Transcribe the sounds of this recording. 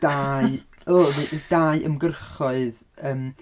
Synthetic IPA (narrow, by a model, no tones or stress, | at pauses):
d̥a | ɔweʔdaːɨʔə̰mɡərχɔɨð | əːm